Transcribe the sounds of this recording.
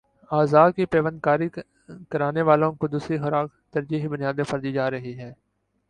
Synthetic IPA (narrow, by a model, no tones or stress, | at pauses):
aːzaːkipeːʋən̚kaːɾi | kəɾaːneʋaːlõːkʊd̪uːsixəɾaːk | t̪əɾd͡ʒiːɦbʊnɪjaːd̪ẽpʰəɾd̪id͡ʒaːɾəɦiɦɛː